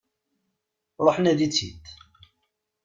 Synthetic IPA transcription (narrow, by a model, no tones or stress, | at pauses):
ɾˤoħnæðit͡sːḭt̪